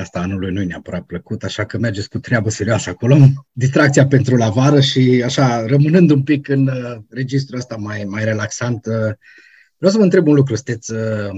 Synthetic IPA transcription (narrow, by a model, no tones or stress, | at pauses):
ast̪aanulujnujeneapəɾat̪̚pləkut̪aʃakəmerd͡ʒeskut̪ɾeabəse̞ɾioasəako̞lod̪is̬t̪ɾakt̪siape̞nt̪ɾulavaɾəʃiaʃarəmɨnɨnd̪umpikɨnre̞d͡ʒis̬t̪ɾuəst̪amajmajɾe̞laksant̪ | v̥ɾeaws̬əməɨnt̪ɾebunluk̬ɾusɨ̥nt̪et̪sʲə